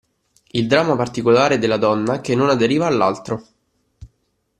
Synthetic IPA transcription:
ild̪ɾaːmːapart̪ikolaːɾed̪elːad̪ɔnːakenːonad̪eɾiːvaːlːalt̪ɾo

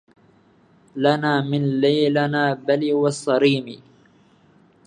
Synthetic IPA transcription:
lanaːmɪnlajlanaːbaliːwɑsˤːɑɾiːmḭː

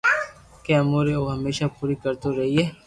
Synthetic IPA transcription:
kemoːɾeoɦɐmeːʃapuːɾikɐɾt̪oɾɐɦiɦɛː

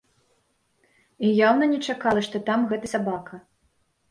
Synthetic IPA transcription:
ijawnɐnʲɛt͡ʂakalˠɐʂt̪ɔt̪amɣɛt̪ɐsʲabakɐ

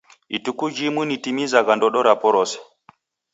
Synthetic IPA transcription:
itukud͡ʒimwunitimizaɣandɔɗɔɾapɔɾɔsɛ̥

